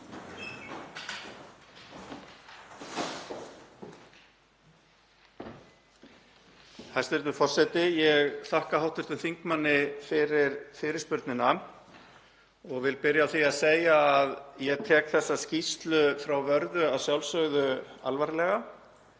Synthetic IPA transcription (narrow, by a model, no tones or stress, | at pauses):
hajst̪ɛɾt̪ʏfɔr̥sɛt̪ɪjɛɣθahkahawht̪ʏɾ̥t̪ʏmθiŋkmanːɪfɪɾɪɾfɪːɾɪɾ̥spʏɾt̪nɪna | ɔɣvɪlpɪɾjaawθiaðseːjaːðjɛɣt̪ʰɛːkθɛsːascist̪lʏfɾawvœɾðʏaðsjawlsœɣðʏa̰lvaɾɪlɛɣa